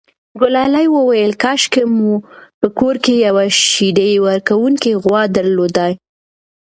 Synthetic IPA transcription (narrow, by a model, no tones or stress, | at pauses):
ɡʊlɑlajwəwajəlkɑʃkemupəkoɾkejawaʃidewaɾkawuŋkiɣwɑd̪aɾlod̪aj